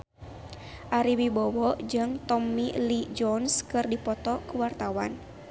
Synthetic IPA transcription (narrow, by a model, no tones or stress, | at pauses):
ʔaɾiwibɔwɔd͡ʒɨŋt̪ɔmilid͡ʒɔnskɨrdipɔt̪ɔkuwart̪awan